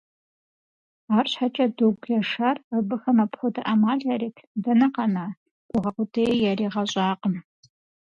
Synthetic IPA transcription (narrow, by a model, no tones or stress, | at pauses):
aːrɕħat͡ʃʼɐdoɡʷjɐʂarəbɨxɐmɐpχʷʊdɐʔɐmaːɮaɾiːtʰdɐnɐqɐnaː | ɡʷʼʊʁɐqʷʊtʰeːjaɾiːʁɐɕʼaːqəm